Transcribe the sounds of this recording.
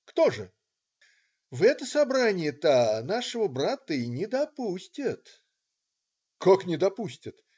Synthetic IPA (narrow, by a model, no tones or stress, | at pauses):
kt̪oʐɨ | vɛt̪əsɐbɾanʲɪjət̪anaʂɨvəbɾat̪əinʲɪd̪ɐpusʲtʲɪt̪ | koknʲɪd̪ɐpusʲtʲɪt̪